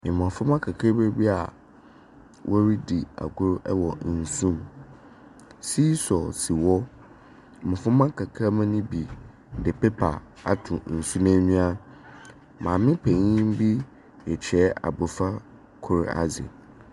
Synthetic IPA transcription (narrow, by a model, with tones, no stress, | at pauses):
mɪ̃˨mã˨fʊ̃˦mã˦kʰa˨kʰa˦be˦bi˦a˨ | wʔɔ˦ɾi˦di˨a̰˨ɡʊ˦ɾʔɛ˦wɔ˨n̩˨sũ˦m | siː˦sɔ˨si˨wɔ˦˨ | mʊ̃˨fʊ̃˦mã˦kʰa˨kʰa˦mã˦nʊ̃˦bi˨ | dɪ˨pʰe˦pʰa˨ | a̰˨tʰʊ̃˨n̩˨su˦nã˦ɲũ˦a˦ | mã˨mɪ̃˦pʰɛ̃˨ɲĩ˦m̩˦bi˦ | ɛ˨t͡ɕʰɛ˨˦a̰˨bʊ˨fa˦ | kʰʊ˦ɾa̰˨zɪ̰˨